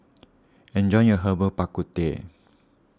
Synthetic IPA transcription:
ɛ̃nd͡ʒɔj̃ŋəɦəbəpakut̪ḛ

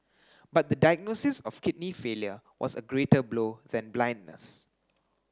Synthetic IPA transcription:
bat̚d̪ədajɡ̚nosɪsɔfkɪt̚nifeljəwʔɔ̰səɡɹetəbloðɛ̃nblãj̃ndnə̰s

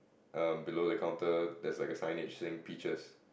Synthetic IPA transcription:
ʔʌ̃mbilodəkʰãʊ̃ntədɛslaɪkəsãɪ̃net͡ʃsẽŋpit͡ʃəs

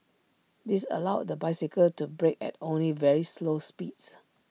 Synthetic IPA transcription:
disə̰laʊdəbaɪsikəltubɹekɛ̰tõnlivɛɹislospits

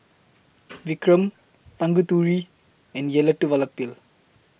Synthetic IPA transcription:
ʋikɾəm | t̪ãŋɡut̪uɾi | ɛ̃njelɐʈːuʋɐlɐk̚pil

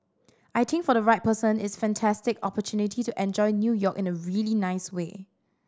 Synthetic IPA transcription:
ʔaɪt̪ʰɪ̃ŋkfɔɾəɹaɪt̚pəsə̃nɪtsfɛ̃ntʰæstɪkɔpətʰjunɪtʰituʔɛ̃nd͡ʒɔɪnjujɔkɪ̃nəɹiəlinaɪswḛː

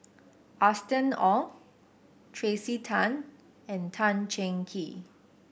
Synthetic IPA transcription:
ʔastə̃nɔ | tʰɹesitʰãn | ɛ̃ntʰãnt͡ʃɛ̃ŋkʰi

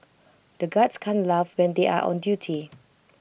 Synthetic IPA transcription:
d̥əɡadskʰãnlavwɛ̃ndeʔa̰ʔɔ̰̃ndjutʰi

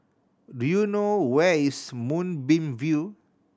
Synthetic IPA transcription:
dujunowɛismũnbĩmvju

